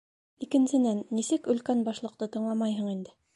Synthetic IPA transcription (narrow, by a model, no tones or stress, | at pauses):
ikɘ̆nsɘ̆nænːisɘkɵ̆lkænbɑʃlˠɤ̆qt̪ɤt̪ɤ̆ɴlˠɑmɑjɦɤ̆ɴind̪ɘ